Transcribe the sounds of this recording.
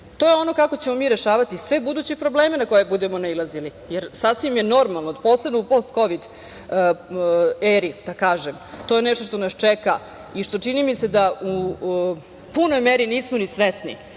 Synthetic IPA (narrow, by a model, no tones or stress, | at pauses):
t̪o̞ːjeo̞no̞kako̞t͡ɕemo̞miːɾeʃaːʋat̪isʋe̞bud̪uːt͡ɕepɾo̞bleːmenako̞jebud̪emo̞nailˠazili | jeɾsasʋimje̞no̞ɾmalˠnod̪po̞ːslebnoupo̞st̪ko̞ʋid̪ | eɾid̪̥akaːʒemt̪o̞jenɛʃt̪oʃt̪onast͡ʂɛka̰ | iʃt̪o̞t͡ʂinimise̞d̪au | puno̞jmeɾiniːsmonisʋesnḭ